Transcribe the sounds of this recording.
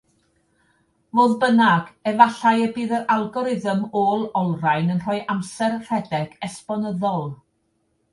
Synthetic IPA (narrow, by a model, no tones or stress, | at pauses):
voːðbənaɡ̥ɛvaɬajəbiːðəɾalˠɡɔɾɪðəmoːlˠɔlˠrajnənr̥ɔːjʔamsɛrr̥ɛdɛɡ̥ɛspɔnəðɔlˠ